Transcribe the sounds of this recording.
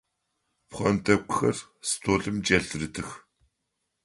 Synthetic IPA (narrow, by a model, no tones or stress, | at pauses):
pχʷɔntʰɐkʷxɐrstʰoːɮɨmt͡ʃʼɐɮrɨtʰɨx